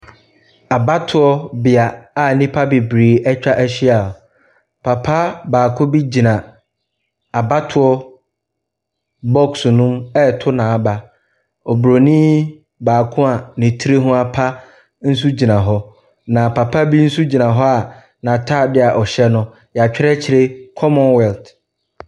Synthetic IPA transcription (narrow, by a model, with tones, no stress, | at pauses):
a˨ba˦tʰʊ˨ɔ˦bɪ˨a˨a˨nĩ˦pʰa˦bɪ˨bɾiː˨ɛ˦t͡ɕᶣa˦ʔæ˦ɕi˦a˨ | pʰa˨pʰa˦baː˨kʰʊ̃˦bi˦d͡ʑi˨nã˨ | a˨ba˦tʰʊ˨˦ɔ˦ | bɔ˦ksnʊ̃˦mɛ˦tʰʊ˦nã˨a˨ba˨ | ɔ˨bɾo˨nĩ˦ | baː˨kʰʊ̃˦a˨nɪ̃˨tʰi˦ɾe˦ɦʊ̃˦a˨pʰa˦ | n̩˦su˦d͡ʑi˨nã˨ɦɔ˦ | nã˨pʰa˨pʰa˦bi˦n̩˦su˦d͡ʑi˨nã˨ɦɔ˦a˨ | nã˨tʰa˦˨dɪ˦a˨ʔɔ˨ɕɛ˦nʊ̃˦ | ja˨t͡ɕᶣɪ˦ɛ˦t͡ɕʰɪ˨ɾe˦kʰɔ˦mɔ̃˨nwɛ˨lt